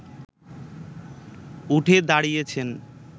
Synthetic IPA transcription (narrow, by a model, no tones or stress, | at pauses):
uʈʰed̪aɽijet͡ɕʰen